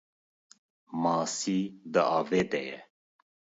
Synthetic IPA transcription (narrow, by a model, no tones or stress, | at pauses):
mɑːsiːd̪əɑːveːd̪ɛjɛ